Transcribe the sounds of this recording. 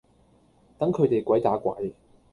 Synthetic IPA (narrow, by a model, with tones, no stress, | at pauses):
t̪ɐ˨˥ŋkʰɵ˨˧ɥt̪e˨jkʷɐ˨˥jt̪aː˨˥kʷɐ̰˨˥j